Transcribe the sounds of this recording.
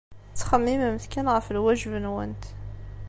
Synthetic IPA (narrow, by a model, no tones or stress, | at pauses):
t͡sːχəmːimæmθkænʁəfəlwæʒvənwənt̪